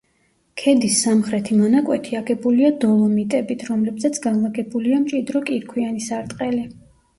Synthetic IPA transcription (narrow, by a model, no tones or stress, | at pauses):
kʰɛd̪isːamχɾɛt̪ʰimanakʼwɛt̪ʰiaɡɛbuliad̪ɔlˠɔmit̪ʼɛbit̪ʰɾɔmlɛbzat̪sʰɡanlaɡɛbuliamt͡ʃʼid̪ɾɔkʼiɾkʰwianisaɾt̪ʼqʼɛli